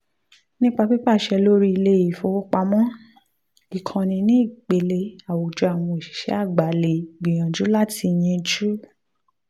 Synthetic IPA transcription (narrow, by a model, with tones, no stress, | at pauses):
nĩ˦k͡pa˧bi˦pa˦˨ʃɛ˧lo˦ɾi˦i˧le˦i˨fo˧wɔ˦k͡pa˧mɔ̃˦ | i˨kʰã˧nĩ˧nĩ˦i˦˨k͡pe˧le˧a˨wo˨d͡ʒɔ˨˧a˨w̃ɔ̃˧i˨ʃi̥˨ʃɛ̰˨˦a˦˨ɡ͡ba˨˦le˨ɡ͡bĩ˨j̃ã˨d͡ʒu˨˦la˦ti˧j̃ɛ̃˧d͡ʒu˦